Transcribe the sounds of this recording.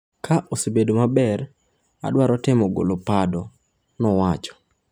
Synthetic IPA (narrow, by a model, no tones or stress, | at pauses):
kʰaʔosebedomabɛɾ | a̰dwaɾɔtɪmɔɡo̰lopadɔ | nɔwat͡ʃɔ̥